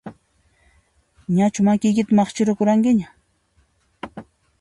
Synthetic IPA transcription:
ɲat͡ʃʊmakɪjkɪt̪amɑχt͡ʃɪɾʊkʊɾaŋkɪɲa

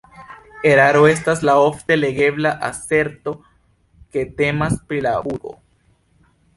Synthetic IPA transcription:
e̞ɾaɾoe̞s̬taslao̞fte̞le̞ɡe̞blaʔase̞ɾto̞ | ke̞te̞maspɾilauɾo̞̰

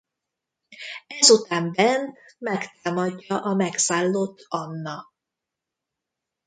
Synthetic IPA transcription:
ɛzut̪aːmbɛnt̪mɛkt̪aːmɒɟːɒʔɒmɛksaːlːoːt̪ʰːɒnːɒ

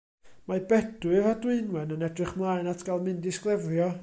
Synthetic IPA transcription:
mabɛdwɨvadwɪɨnwɛnənɛdrɨχmlˠaɨnatʰɡ̥alˠmɪndɪsklˠɛvrjɔ

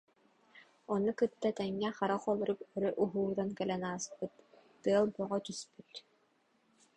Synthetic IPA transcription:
ɔnukɯt̪ːat̪ɛŋːɛχaɾaχɔlˠɔɾukœɾœʔuɦuːd̪ankɛlɛnaːspɯt̪ː | ɯɐlˠbɔʁɔt̪yspyt̪

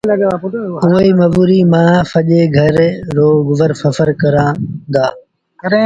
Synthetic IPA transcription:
lɐɡapʊʈːʊːiːmɐʋuːɾiːmãːfɐʄeːɡʱɐɾɾoːɡʊʋəɾfɐfəɾkɐɾãːd̪aː | ɐɾe

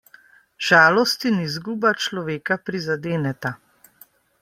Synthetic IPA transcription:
ʒ̥aːlɔst̪inizɡuːbat͡ʃlɔʋeːkapɾizad̪eːnɛt̪a

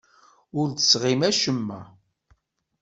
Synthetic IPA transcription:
ʊɾt̪ə̥sʁimæʃəmːæ̰

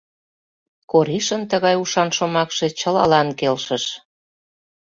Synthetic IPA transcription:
koɾiʃənt̪əɣɑjuʃɑnʃomɑkʃe̽t͡ɕə̆lɑ̰lɑnkelʃəʃ

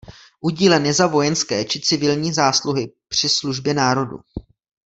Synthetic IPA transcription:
ʔuɟiːlɛnjɛzavo̞jɛnskɛːt͡ʃɪt͡sɪvɪlɲiːzaːsluɦɪpr̝̥ɪsluʒbjɛnaːɾo̞dṵ

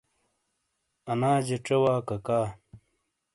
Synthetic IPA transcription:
ɐnaːd͡ʑeʈ͡ʂewaːkɐkaː

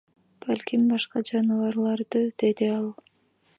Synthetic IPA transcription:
b̥ælʲkʲimbɑʃqɑd͡ʒɑnɯvɑɾlˠɑɾd̪ɯd̪̥e̞d̪iɑlˠ

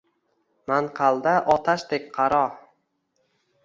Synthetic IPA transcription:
manqʰɑlˠd̪aʔɒt̪ʰaʃt̪ek̚ʲqʰɑɾɒ

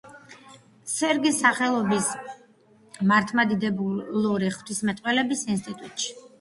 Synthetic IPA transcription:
sɛɾɡisaχɛlˠɔbis | maɾt̪ʰmad̪id̪ɛbuluɾiχt̪ʰwismɛt̪ʼqʼwɛlɛbisinst̪ʼit̪ʼut̪ʼʃi̥

